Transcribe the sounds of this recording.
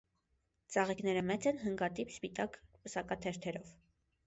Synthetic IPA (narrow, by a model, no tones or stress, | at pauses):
t͡sɑʁikn̪ɛɾəmɛt͡sɛnɦəŋɡɑt̪ipspit̪ɑkpəsɑkɑt̪ʰɛɾt̪ʰɛɾɔv